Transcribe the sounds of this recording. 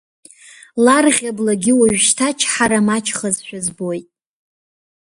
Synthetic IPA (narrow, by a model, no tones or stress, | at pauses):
larʁʲablaɡʲɪwaʒʷᶣʃtʰat͡ʃʰħaɾamat͡ʃʰχəzʃʷᶣazbojtʼ